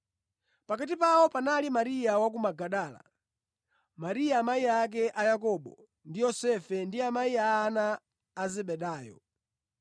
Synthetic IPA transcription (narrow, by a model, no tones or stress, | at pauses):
pakat̬ipaɔpanalimaɾijawak̬umaɡaɗaːla̰ | maɾijaːmaiak̬ɛʔajakɔɓɔ̰ | ndijɔsɛfɛndiamaiaːnaː | zɛɓɛɗaːjɔ̰